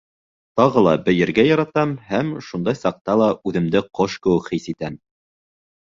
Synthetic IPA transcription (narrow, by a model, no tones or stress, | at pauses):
t̪ɑʁɤlˠɑbɘ̆jɘ̆ɾɡæjɑɾɑt̪ɑmhæmʃund̪ɑjsɑq̚t̪ɑlˠɑʉðɘ̆md̪ɘqoʃkɘ̆wɘ̆kχisit̪æm